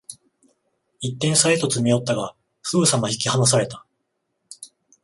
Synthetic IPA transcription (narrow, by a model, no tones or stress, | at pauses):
it̪ːẽɰ̃saet̪o̞t͡sɨmʲijo̞t̪ːaɡa | sɨbɯ̟samaçi̥kʲihanas̬aɾe̞t̪ḁ